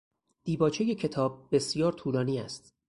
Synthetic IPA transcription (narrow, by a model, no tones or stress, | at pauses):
d̪̥iːbɒːt͡ʃʰe̞je̞cʰe̞t̪ʰɒːb̚ːe̞sjɒːɾt̪ʰuːlɒːniːæst̪